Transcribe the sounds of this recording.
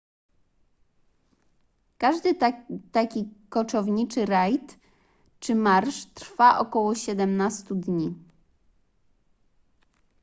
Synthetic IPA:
kaʐd̪ɘt̪akʲikɔt͡ʂɔvɲit͡ʂɘɾajt̪ | t͡ʂɘmaɾʂt̪ɾfaʔɔkɔwɔɕɛd̪ɛmnast̪ud̪ɲi

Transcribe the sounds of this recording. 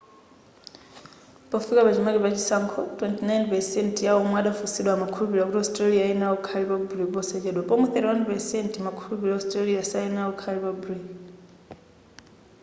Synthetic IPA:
pɔfikapat͡ʃimakipat͡ʃisaŋkʰɔtwɛntinajnpɛsɛntʰjawɔmwɛaɗafusiɗwaːmakʰulupilakutiɔstɾaliainaukʰalipabuɾipɔsɛt͡ʃɛɗwapɔmɛθɛɾiwanpɛsɛntmakʰulupilaɔstraliasainaukʰalipabuɾi

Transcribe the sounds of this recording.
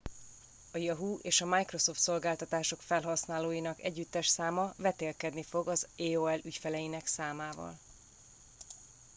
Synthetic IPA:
ɒjɒɦuʔeːʃɒmajkro̞so̞ft̪so̞lɡaːlt̪ɒt̪aːʃo̞kfɛlɦɒsnaːloːjinɒkɛɟːyt̪ːɛʃsaːmɒvɛt̪eːlkɛd̪nifo̞ɡɒzeːoːɛlycfɛlɛjinɛksaːmaːvɒ̰l

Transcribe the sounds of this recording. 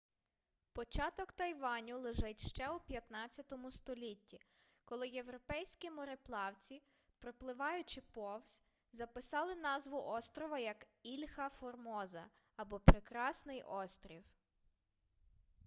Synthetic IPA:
pɔt͡ʃɑt̪ɔkt̪ɐjʋɑnʲulˠɪʒɛtʲʃt͡ʃɛupʲjɐt̪nɑt͡sʲjɐt̪ɔmʊst̪ɔlʲitʲːi | kɔlˠɪje̞ʋɾɔpɛjsʲkʲimɔɾeplˠɑwt͡sʲi | pɾɔplˠɪʋɑjʊt͡ʃɪpɔwsʲ | zɐpɪsɑlˠɪnɑzʋʊʔɔst̪ɾɔʋɐjɐk | ilʲhɐfɔrmɔzɐ̰ | ɐbɔpɾɪkɾɑsnɪjʔɔst̪ɾʲiw

